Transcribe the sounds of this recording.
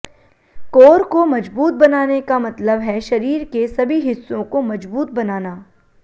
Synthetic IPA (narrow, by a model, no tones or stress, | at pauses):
koːɾkomɐd͡ʒbuːt̪̚bɐnaːnekamɐt̪ləbɦɛʃɐɾiːɾkesɐbʱiɦɪsːõkomɐd͡ʒbuːt̪̚bɐnaːnaː